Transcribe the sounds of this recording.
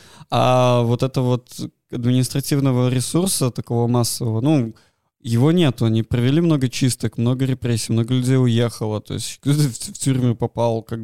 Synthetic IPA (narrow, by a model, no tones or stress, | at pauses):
avo̞t̪ɛt̪əvo̞t̪ | ɐd̪mʲɪnʲɪst̪ɾɐtʲivnəvəɾʲɪsursət̪ɐko̞vomasːəvəvənu | jɪvo̞nʲe̞t̪ʊɐnʲipɾəvʲɪlʲimno̞ɡət͡ɕist̪əkmno̞ɡəɾʲɪpɾʲesʲiːmno̞ɡəlʲʉdʲejʊjexəlˠət̪o̞̰ɪsʲtʲkt̪ot̪əftʲurʲmʲʊpɐpalˠkaɡ̚